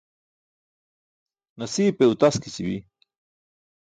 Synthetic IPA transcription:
nɐsiːpeut̪askit͡ɕibi

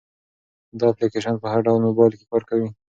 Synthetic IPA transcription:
d̪ɑaplikeʃənpəhaɾɖawlmobɑjlkekɑɾkawi

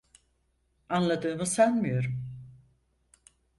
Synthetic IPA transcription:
anlˠad̪ɯːmɯsanmijo̞ɾum

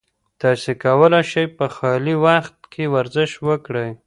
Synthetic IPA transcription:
t̪ɑsekawəlajʃajpəxɑliwaxt̪kʰewaɾzɪʃwəkɽəj

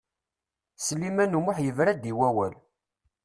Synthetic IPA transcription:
səlːimænumʊħjəvɾæd̪iwæwæl

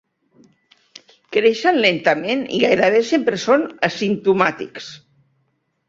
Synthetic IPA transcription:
kɾeʃənlent̪əmenḭɣajɾəβ̞esempɾəsonəsimt̪umat̪ḭks

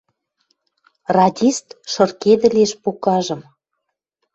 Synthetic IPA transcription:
rɑdʲist̪ʃɤ̆rked̪ə̆lʲeʃpukɑʒə̆m

